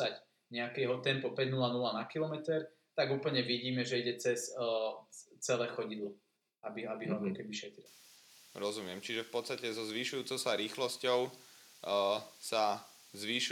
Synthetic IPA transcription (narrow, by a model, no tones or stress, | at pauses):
ac | ɲɛakɛɦɔt̪ɛmpɔpɛɟnulanulanakilɔmɛt̪ɛɾ | t̪aɡuːpl̩ɲɛʋiɟiːmɛʒɛiɟɛt͡sɛs | t͡sɛlɛːxɔɟid̪lˠu | abiabiɦɔlɔkɛbiʃɛt̪ɾil | ɾɔzumɪɛmt͡ʃiʒɛfpɔt̪st̪acɛzɔzʋiːʃujuːt͡sɔʊsaɾiːxlɔscɔʊ | sa | zʋiːʃ